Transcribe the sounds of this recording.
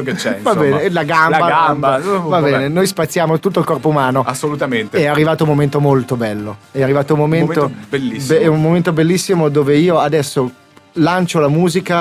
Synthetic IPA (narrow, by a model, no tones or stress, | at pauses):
ket͡ʃɛvabɛːelaɡamlbaambvabɛːnenojspat̪sːjaːmot̪ut̪ːoilkɔrpoumaːnoasːolut̪ament̪eɛarːivaːt̪oumːoment̪omolt̪obɛlːoɛarːivaːt̪oumːomemmt̪obelːisːbɛumːoment̪obelːisːimod̪oːveiːoad̪ɛsːo | lant͡ʃolamuːzika